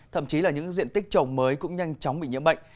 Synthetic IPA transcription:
t̪ʰə̰˧˨mt͡ɕi˨˦laː˨˩ɲɨ̰˧˥ŋzḭ˧˨ənt̪ï˦˥k̚t͡ɕə˨˩wŋ͡mməː˨˦jkʊ̰˧˥ŋ͡mɲa˧jŋ̟t͡ɕɔ˨˦wŋ͡mɓḭ˧˨ɲə̰˧˥ɓə̰˧˨ŋ̟

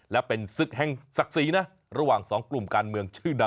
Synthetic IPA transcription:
lɛ˦˥pe˧nsɯ˨˩k̚hɛ˧˩ŋsa˨˩k̚siː˨˦na˦˥ | ɾa˧waː˨˩ŋsɔː˩˦ŋklu˨˩mkaː˧nmɯ˧əŋt͡ɕʰɯː˥˩da˧

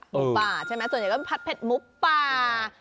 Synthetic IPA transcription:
mu˦˥˧paː˧˩t͡ɕʰa˥˩jma˦˥jsu˨˩nɲ˨˩kɔː˥˧˩pʰa˦˥t̪̚pʰe˨˩t̪̚mu˦˥k̚ːaː˧

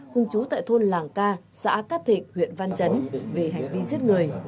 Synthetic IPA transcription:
xʊ˧ŋ͡mt͡ɕu˨˦t̪a̰ː˧˨jt̪ʰo˧nlaː˨˩ŋkaː˧ | sa̰ː˧˥kaː˦˥t̪ʰḭ˧˨˩ŋ̚hw̰ḭ˧˨ənva˧nt͡ɕə˨˦nve˨˩ɦa˨˩jŋ̟vi˧zi˦˥t̚ŋɨ˨˩əj

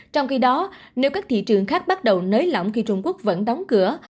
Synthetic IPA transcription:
t͡ɕɔ˧wŋ͡mxi˨˦ɗɔ˨˦ne˨˦wkaː˦˥k̚t̪ʰḭ˧˨t͡ɕɨ˨˩əŋxaː˦˥k̚ɓa˦˥t̚ɗə˨˩wnəː˨˦jlɔ̰˧˩wŋ͡mxi˧t͡ɕʊ˧ŋ͡mku˦˥ək̚və̰˧˥nɗɔ˨˦wŋ͡mkɨ˧˩ə

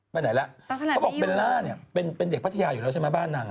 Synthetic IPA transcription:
baː˧˩na˩˦jlɛ˦˥ʔʰbɔ˨˩pe˧nlaː˥˩ni˥˩ɐpe˧npe˧nde˨˩k̚pʰt̪ʰa˧jaː˧ju˨˩ɛː˦˥˩t͡ɕʰa˥˩ma˦˥baː˥˩nːa˧ŋ

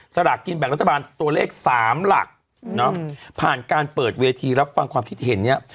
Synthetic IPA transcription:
sa˧ɾa˨˩kːi˧nbɛ˨˩kɾa˦˥t̪ʰːabaː˧nt̪u˧ɐleː˥˩k̚saː˩˦mla̰˨˩k̚ | nɔ˦˥pʰaː˨˩nkaː˧npɤː˨˩t̪̚weː˧t̪ʰiː˧ɾa˦˥p̚fa˧ŋkʰwaː˧mkʰi˦˥t̪̚ʰːɦe˩˦nːi˦˥˩ɐ

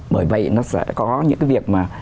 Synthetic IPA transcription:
ɓəː˧˩jvə̰˧˨jnɔ˨˦sɛ̰˧˥kɔ˨˦ɲɨ̰˧˥ŋkaː˨˦jvi˨˩ək̚maː˨˩

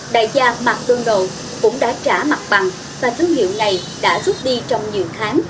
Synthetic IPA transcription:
ɗa̰ː˧˨jzaː˧ma˨˩k̚ɗə˧ŋɗo̰˧˨ | kʊ̰˧˥ŋ͡mɗa̰ː˧˥t͡ɕaː˧˩ma˨˩k̚ɓa˨˩ŋ | vaː˨˩t̪ʰɨ˧əŋɦḭ˧˨əwna˨˩j | ɗa̰ː˧˥zu˦˥t̚ɗi˧t͡ɕɔ˧wŋ͡mɲi˨˩əwxʰaː˨˦ŋ

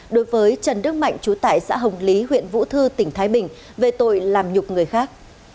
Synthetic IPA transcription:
ɗo˨˦jvəː˨˦jt͡ɕə˨˩nnɨ˦˥ək̚ma̰˧˨jŋ̟t͡ɕu˨˦t̪a̰ː˧˨jsa̰ː˧˥ɦə˨˩wŋ͡mli˨˦ɦwḭ˧˨ənvṵ˧˥t̪ʰɨ˧t̪ï˧˩ŋ̟t̪ʰaː˨˦jɓï˨˩ŋ̟ | ve˨˩t̪o̰˧˨jlaː˨˩mɲʊ˨˩k͡p̚ŋɨ˨˩əjxaː˦˥k̚

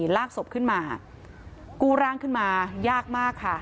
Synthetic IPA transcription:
laː˥˩k̚so˨˩p̚kʰɯ˥˩nmaː˧ | kuː˧ɾaː˧ŋkʰɯ˥˩nmaː˧jaː˥˩k̚maː˥˩kʰːa˥˩

